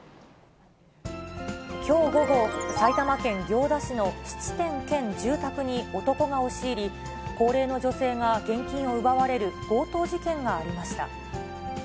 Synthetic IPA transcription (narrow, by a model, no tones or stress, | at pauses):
kʲʰo̞ːɡo̞ɡo̞sait̪amakẽ̞ŋɡʲo̞ːd̪aɕino̞ɕi̥t͡ɕi̥t̪ẽ̞ŋkẽ̞ɲd͡ʑɨːt̪akɯ̟ɲ̟io̞t̪o̞ko̞ɡao̞ɕiːɾʲi | ko̞ːɾe̞ːno̞d͡ʑo̞se̞ːŋaɡẽ̞ŋkʲĩɰ̃o̞ɯ̟baβaɾe̞ɾɯ̟ɡ̥o̞ːt̪o̞ːd͡ʑikẽ̞ŋɡaːɾʲimaɕi̥t̪a̰